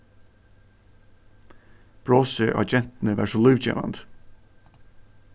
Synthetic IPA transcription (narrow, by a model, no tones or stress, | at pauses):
b̥ɹoːsəʔɑ̰d͡ʒɛnt̪n̩əʋæ̰ːʂolʉːʋçḛːʋɑ̰nt̪